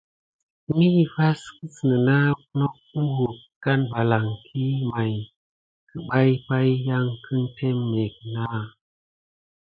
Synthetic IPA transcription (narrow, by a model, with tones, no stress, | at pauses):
mi˦˨fa˦skɨ˦sɨ˨nɨ˨na˦nɔ˦k̚u˦hu˨k | ka˦nba˨la˨ŋkʰi˦ma˨j | kɨ˨ɓa˦jpa˦jja˧ŋkʰɨ˦nte˦mːe˨k̚na˦